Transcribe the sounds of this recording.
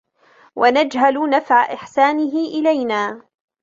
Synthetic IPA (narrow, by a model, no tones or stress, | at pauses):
wʔanad͡ʒɦalnafʕaʔɪħsaːnɪɦɪʔɪlajnaː